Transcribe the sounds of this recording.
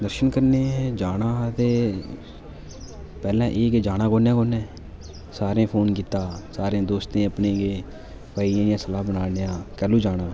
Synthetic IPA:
d̪əɾʃənkəɾneːd͡ʒaːnaːt̪eː | pɛːlɛ̃ːʔeːked͡ʒaːɽãːkoːnẽːkoːnẽː | saːɾẽːpʰoːnkiːt̪aːsaːɾẽːd̪oːst̪ẽːəpnẽːɡeː | paːiãːɪjãːsəlaːbənaːneːãːkɛːluːd͡ʒaːɽaː

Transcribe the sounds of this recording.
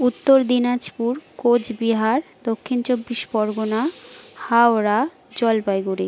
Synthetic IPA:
ut̪ːoɾd̪inad͡ʑpuɾkod͡ʑbiɦaɾd̪okʰːint͡ɕobːiʃbɔɾɡonahaoɾa | d͡ʑɔlbajɡuɾi

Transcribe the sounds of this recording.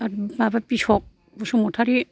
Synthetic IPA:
ababapisɔk̚ | busumutʰaɾi

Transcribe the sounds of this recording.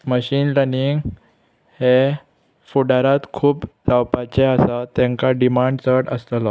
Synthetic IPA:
məɕiːnɾəniŋɡ | he | fuɽaɾat̪kʰuːplawpat͡ɕeəsat̪ɛ̃ŋkaɖimaɳɖt͡səɽəst̪əla

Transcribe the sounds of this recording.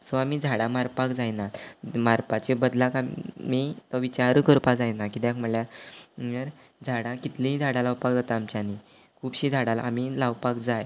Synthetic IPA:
sɔamiːd͡zʱaɽãmaɾpakd͡zajnamaɾpat͡ɕebəd̪lakammit̪ɔʋit͡ɕaɾəkəɾpad͡zajnakit̪jãkm̤əɽlja | əɾ | d͡zʱaɽãkit̪lĩid͡zʱaɽãlawpak̚d͡zat̪aːmt͡ɕjani | kʰuːpɕiːd͡zʱaɽala̰amilaʋpakd͡zaj

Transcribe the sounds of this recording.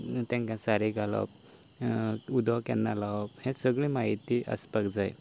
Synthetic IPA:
t̪ãŋkãsaɾeɡʱalɔ̰p | ud̪ʱɔkjanːalaʋɔphẽsəɡɭĩmaɦit̪iːʔə̰spəkd͡zaj

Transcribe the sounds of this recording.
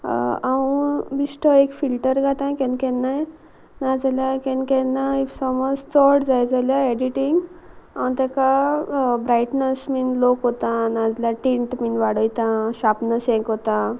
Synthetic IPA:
awbisʈʰɔekfilʈəɾɡʱat̪ãkɛnkɛnːaj | nad͡zaljakɛ̃nkɛ̃nːaisɔmɔd͡zt͡sɔʈd͡zajd͡zaljaɛɖiʈĩŋɡaw̃t̪ɛ̃ka | bɾajʈnəsminlokɦot̪ãnad͡zljaʈĩɳʈminʋaɽəjt̪ãɕapnəsɛ̃kɦot̪ã

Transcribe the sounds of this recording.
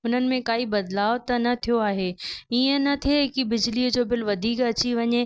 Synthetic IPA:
ʊn̤ənɪ̆mẽkaːibɐd̪laːʋt̪ɐnɐt̪ʰijoaːɦeːiːə̃nɐt̪ʰieɦɪkibɪd͡ʑliːəd͡ʑoːbɪlʋɐd̪ʱiːkɐt͡ɕiʋɐɲe

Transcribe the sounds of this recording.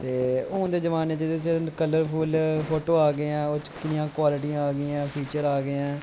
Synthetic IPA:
t̪eːʊ̃ːd̪eːd͡ʒəʋaːneːt͡ʃəekələɾpʰuːlpʰoːʈoːaːɡeɛ̃ːoːt͡ʃkɪnɪjãːkwaːlɪʈiãaːɡɪɛ̃ːpʰiːt͡ʃəɾaːɡeɛ̃ː

